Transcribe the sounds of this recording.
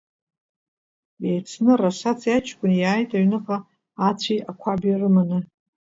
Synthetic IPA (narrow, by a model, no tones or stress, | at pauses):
ejt͡sʰnɨraʂat͡sʰjat͡ʃʰkʷʼʊnjaːjtʼaɥnɨqʼaː | t͡sʷʰiʔakʷʰabjarɨmanɨ